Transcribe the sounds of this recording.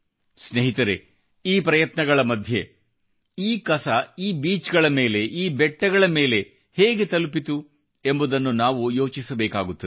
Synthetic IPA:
sneɦit̪ɐɾe | iːpɾɐjɐt̪nɐɡɐɭɐmɐd̪ʱje | iːkɐsɐiːbiːt͡ʃɡɐɭɐme̞ːle̞ʔiːbɛʈːɐɡɐɭɐme̞ːle̞ | heːɡet̪ɐlupit̪u | e̞mbud̪ɐnːunaːʋujo̞ːt͡ʃisɐbɛːkaːɡut̪ːɐ

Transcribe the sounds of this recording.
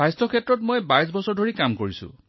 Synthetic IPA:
ajstʰɔkʰetɹɔtmojbajs̬bɔsɔɹdʱoɹikamkoɹisʊ̰̃

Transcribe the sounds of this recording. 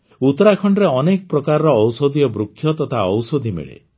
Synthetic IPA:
ut̪ɔɾakʰɔɳɖɾeɔnekɔpɾɔkaɾɔɾɔːwsod̪ʱijɔbɾukʰːjɔt̪ɔt̪ʰaɔwsod̪ʱimḛɭḛ

